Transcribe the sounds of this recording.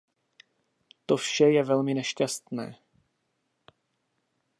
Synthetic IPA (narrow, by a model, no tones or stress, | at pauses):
t̪ofʃɛjɛvɛlmɪnɛʃcast̪nɛ̰ː